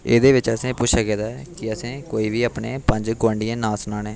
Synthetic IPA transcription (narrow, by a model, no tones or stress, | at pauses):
eːd̪eːʋɪt͡ʃəsĩːpʊt͡ʃʃʰaːkɛːd̪akɪəsĩːkoːiːʋiːaːpneːpəɲd͡ʒɡwãːɳɖɪijãːnaːsʊnãːnẽː